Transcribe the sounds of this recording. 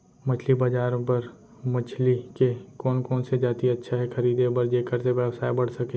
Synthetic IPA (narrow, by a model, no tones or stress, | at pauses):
mɐt͡ʃʰlibɐd͡ʒaːɾpɐɾ | mɐt͡ʃʰlikekɔːnkɔːnsed͡ʒaːt̪iɐtːʃʰaɦɛxʰɐɾiːd̪ebɐɾd͡ʒeːkəɾseʋjəʋsaːebɐɽ̤sɐke